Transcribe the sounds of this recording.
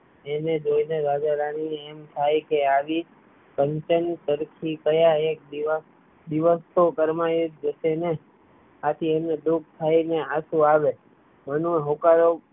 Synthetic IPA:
ened͡ʒoineɾad͡ʒaɾañiemt̪ʰajkeaʋi | kəɲt͡ʃənt̪əɾkʰikəjaek̚d̪iʋa | d̪iʋəst̪ʰokəɾmajod͡ʒəʃene | at̪ʰiemned̪uk̚t̪ʰaineaʃũaʋe | mənũɦokaɾo

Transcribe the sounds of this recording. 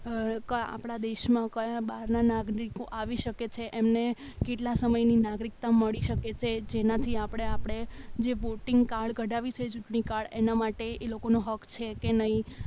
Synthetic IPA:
kəa̰pɽ̃ad̪eʃmãkəjãɓaɾnanaɡɾikoʔaʋiʃəket͡ʃʰeʔemne | keʈlasəməjninaɡɾik̚t̪aməɭiʃəket͡ʃʰed͡ʒenat̪ʰiapɽ̃eapɽ̃ed͡ʒeʋoʈɪŋɡkaɭɡʱəɖaʋit͡ʃʰet͡ʃuʈɳikaɭenamaʈeelokonoɦəkʰt͡ʃʰekenəɦi

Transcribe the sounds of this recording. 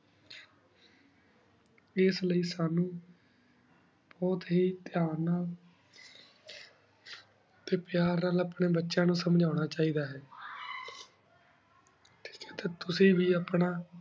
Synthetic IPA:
ɪsləiːsaːnũː | b̥ɔːt̪ɦiːt̪ɪjaːnaːl | t̪eːpjaːɾnaːləpɳeːbətːʃãːnũːsəmd͡ʒaːʊɽ̃aːt͡ʃaːiːd̪aːɦɛː | t̪ɪ̥et̪eːt̪ʊsĩːʋiːapnaː

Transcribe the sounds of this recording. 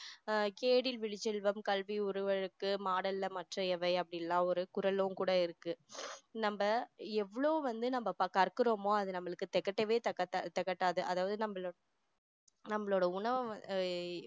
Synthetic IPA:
keːɽɪlʋɪɻɪt͡ʃːɛlʋɐmkɐlʋiʊɾɯʋɐɻɯkːɯmaːɽɐlːɐmɐʈrɐɛʋɐɪɐpːɐɽɪnlːãːɔɾɯkʊɾɐlʊ̃mkuːɽɐɪɾɯkːɯnɐmbɐɛʋːɐɭoːʋɐnd̪ɯnɐmbɐpɐkɐɾkɯɾoːmoːɐðɯnɐmːɐɭɯkːɯt̪ɛkːɐʈːɐʋeːt̪ɐkːɐtːat̪ːɛkːɐʈːaːðɯʔɐðaːʋɐðɯnɐmːɐɭo | nɐmːɐɭoːɽɐʊɳɐʋɐ

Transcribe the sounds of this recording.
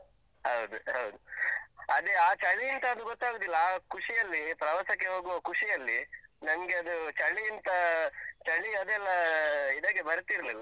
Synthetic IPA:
ɦɐwd̪uɦɐwd̪u | ɐd̪eaːt͡ʃɐɳiːnt̪ɐːd̪uɡot̪ːaːɡud̪ilːɐaːkuʂijɐlːipɾɐʋɐsɐkːe̞ɦo̞ːɡuʋɐkuʂijɐlːinɐmɐɡeɐd̪ut͡ʃɐɳiint̪ɐt͡ʃɐɳiɐd̪ɛlːɐid̪ɐɡebɐɾt̪iɾɐlilːɐ

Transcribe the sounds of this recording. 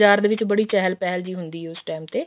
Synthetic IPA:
d͡ʒaːɾd̪eːʋɪt͡ʃbəɽiːt͡ʃɛɦəlpɛɦəld͡ʒiːɦʊnd̪iːɦɛːʊsʈaːmt̪eː

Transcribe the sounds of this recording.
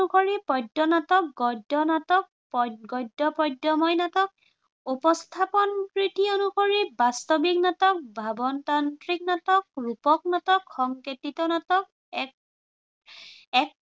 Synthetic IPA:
ukoɹipɔdːɔnatɔk̚ɡɔdɔnatɔk̚pɡɔjdɔpɔjdɔmɔjnatɔk̚ | upɔst̪ʰapɔnkɹitiɔnukoɹibastɔbiknatɔk̚bʱabɔntantɹiknatɔk̚ɹupɔk̚natɔkxɔŋketitɔnatɔk̚ | ɛk̚

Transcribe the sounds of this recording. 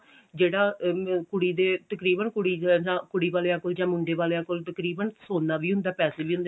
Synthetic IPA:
d͡ʒeːɽaːkʊɽiːd̪eːt̪əkɾiːbənkʊɽiːd͡ʒãːkʊɽiːʋaːleːãːkoːld͡ʒãːmʊɳɖeːʋaːleːaːkoːlt̪əkɾiːbənsoːnãːʋiːɦʊnd̪aːpɛːseːʋiːɦʊnd̪

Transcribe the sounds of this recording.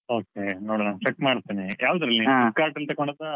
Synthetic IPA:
oːkenoːɽɐnaːʋt͡ʃeʈːmaːɽt̪ːiːnijaːʋd̪ɐɾɐliikaːɾʈɐlt̪ɐɡoɳɖɐd̪ɐ

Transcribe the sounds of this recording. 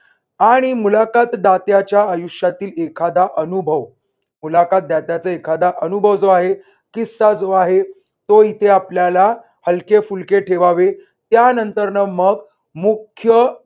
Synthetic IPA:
aɽ̃imulakat̪d̪at̪jat͡ɕjaəjuʂjat̪iːlekʰad̪aʔənubʱəʋ | mulakat̪̚d̪at̪jat͡səekʰad̪aʔənubʱəʋd͡zoaɦe | kisad͡zoaɦe | t̪oit̪ʰeapljala | həlkefulkeʈʰeʋaʋe | t̪janənt̪əɾnəməɡ | mukʰjə

